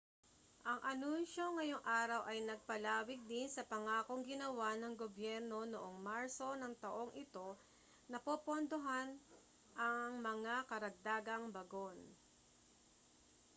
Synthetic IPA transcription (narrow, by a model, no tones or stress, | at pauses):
ʔɐŋʔɐnunʃo̞ŋːɐjo̞ŋʔaːɾɐwʔɐjnɐɡ̚pɐlaːwɪɡ̚d̪insɐpɐŋaːko̞ŋɡɪnɐwanɐŋɡobjɛɾno̞noʔo̞ŋmaɹso̞nɐŋt̪ɐʔo̞ŋʔɪt̪o̞ | nɐpopond̪oɦan | ʔɐŋmɐŋakɐɾɐɡ̚d̪aːɡɐŋbɐɡo̞n